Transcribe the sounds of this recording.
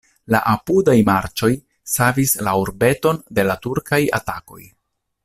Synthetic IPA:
la̰ʔapudajmaɾt͡ʃo̞j | savislauɾbe̞to̞nde̞latuɾkaja̰tako̞̰j

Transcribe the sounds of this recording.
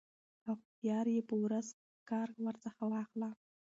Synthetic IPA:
axt̪jɑɾjepəwɾaz | kɑɾwaɾt͡səxawɑxla

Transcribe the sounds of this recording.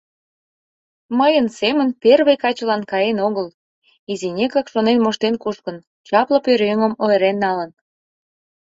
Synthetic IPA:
məjənsemənperβejkɑt͡ɕəlɑnkɑjenoɣəl | izinʲekɑkʃonenmoʃt̪enkuʃkən | t͡ɕɑplə̆pøɾøŋəmoeɾenːɑlən

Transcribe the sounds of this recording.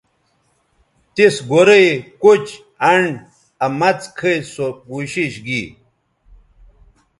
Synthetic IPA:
t̪isɡoɾejkut͡ɕ | ɐɳɖ | ɐmɐt͡skʰɐjsokuːɕiɕɡi

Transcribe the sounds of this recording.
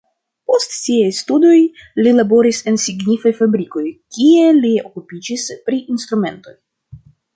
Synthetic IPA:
po̞stsiajstudo̞jlilabo̞ɾise̞nsiɡnifajfabɾiko̞jkielio̞̰kupid͡ʒispɾiʔinst̪ɾume̞nto̞j

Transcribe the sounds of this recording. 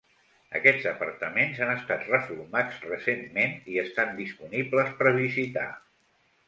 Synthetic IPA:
ə̰kɛd͡zəpəɾt̪əmenzanəst̪at̪rəfuɾmad͡zrəsemːeniəst̪and̪ispunibləspəɾβizit̪a̰

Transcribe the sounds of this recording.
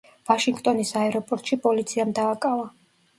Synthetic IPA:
vaʃiŋɡt̪ʼɔnisaɛɾɔpʼɔɾt̪ʼʃipʼɔlit̪sʰiamd̪aːkʼava

